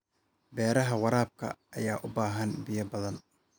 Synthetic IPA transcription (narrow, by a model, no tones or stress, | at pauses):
bɛːɾɐɦɐwɑɾaːb̚kʰɐ̰ːjaːʔʊbaːɦɐnbɪjɐbɐðɐn